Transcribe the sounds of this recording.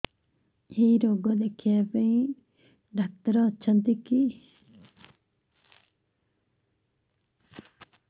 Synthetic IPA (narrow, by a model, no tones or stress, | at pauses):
eiɾoːɡɔd̪ekʰːijapẽĩ | ɖʱak̚t̪əɾɔːtːʃʰənt̪iki